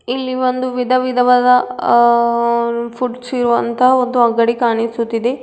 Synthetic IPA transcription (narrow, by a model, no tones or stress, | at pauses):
ilːiʋond̪uʋid̪ʱɐʋid̪ʱɐʋɐd̪ɐ | pʰuʈsiɾuʋɐ̰nt̪ɐɦɐond̪uɐɡɐɽikaːɳisut̪ːid̪e